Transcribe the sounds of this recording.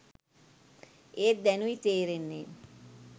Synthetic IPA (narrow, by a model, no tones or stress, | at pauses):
eːd̪ɛnuit̪eːɾenːe